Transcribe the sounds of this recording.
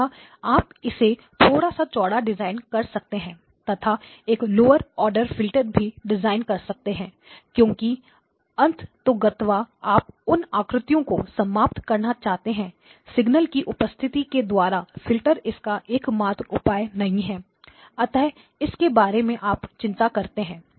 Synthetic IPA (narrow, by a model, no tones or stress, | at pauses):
a | aːpɪset̪ʰoːɽasat͡ʃɔːɽaɖɪzaːɪnkɐɾsɐk̚t̪eɦɛ̃ː | t̪ɐt̪ʰa | eːkloːəɾɔːɾɖəɾfɪlʈəɾbʱiɖɪzaːɪnkɐɾsɐk̚t̪eɦɛ̃ː | kjõːki | ɐ̃nt̪ʰt̪oɡɐt̪ʋaaːp̚ʊnaːkɾɪt̪ijõkosɐmaːp̚t̪kɐɾnat͡ʃaːɦt̪eɦɛ̃ː | sɪɡnəlkiʔʊpəst̪ʰɪt̪iked̪waːɾafɪlʈəɾɪskaʔeːkmaːt̪ʊpaːjnɐɦĩɦɛː | ɐt̪ɛɦ | ɪskebaːɾemẽʔaːpt͡ʃɪ̃nt̪akɐɾt̪eɦɛ̃ː